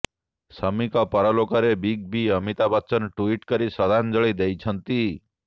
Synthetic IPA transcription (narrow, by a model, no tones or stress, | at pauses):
səmikɔpɔɾɔlokɔɾebiɡ̚biəmit̪abɔt͡ʃɔnʈuiʈkɔɾisɔd̪ʱand͡ʒɔɭed̪ejt͡ʃʰʌnt̪i